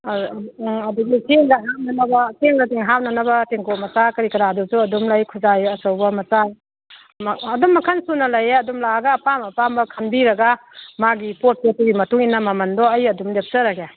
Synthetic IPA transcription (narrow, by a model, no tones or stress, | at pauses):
ɐduɡisʰeŋdɐɦap̚nɐnɐbɐsʰeŋdɐdiŋɦap̚nɐnɐbɐteŋkoʔmɐsakɐɾikɐɾadusuɐdumlajkʰuzajɐsowbɐmɐsa | mːdumːɐkʰansunɐlɐjeɐdumlaɡaːpamɐpambɐkʰɐnbiɾɐɡamaɡipot̚petuɡimɐtuŋinːɐmɐmɐndɔɐjɐdumdep̚sɐɾaɡe